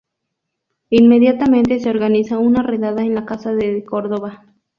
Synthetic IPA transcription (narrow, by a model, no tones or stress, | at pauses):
inmeðjat̪ament̪eseoɾɣanisaunareðaðaenlakasaðekoɾðoβa